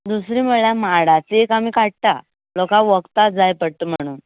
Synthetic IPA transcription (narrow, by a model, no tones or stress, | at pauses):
d̪usɾiːməɭjamaɽat͡seekamiːkaʈ̚t̪a | lɔkãʋəɡt̪ad͡zajpəɽt̪əm̤əɽ̃uːn